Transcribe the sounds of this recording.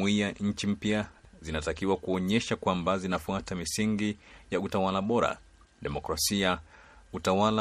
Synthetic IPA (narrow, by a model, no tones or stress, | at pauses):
wijaɲ̩t͡ʃim̩pjazinatakiwakuɔɲɛʃakwambazinafuatamisiŋɡijautawalaɓɔɾa̰ | ɗɛmɔkɾasia | utawala